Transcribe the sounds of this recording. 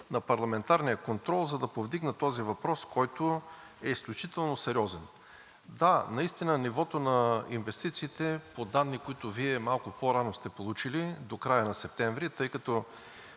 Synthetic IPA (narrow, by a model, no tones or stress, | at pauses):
nɐpɐɾlˠɐmɛnt̪aɾnijəkont̪ɾɔlˠzɐd̪ɐpovd̪iɡnət̪ɔzivɐpɾɔskɔjt̪o | ɛisklʲut͡ʃit̪ɛlˠnosɛɾʲɔzɛn | d̪anɐist̪inənivɔt̪onɐinvɛst̪it̪siːt̪ɛpod̪anːikoit̪ʊviɛmalˠkʊpoɾanost̪ɛpolˠut͡ʃilid̪okɾajənɐsɛp̚t̪ɛɱvɾit̪ɤjkɐt̪ɔ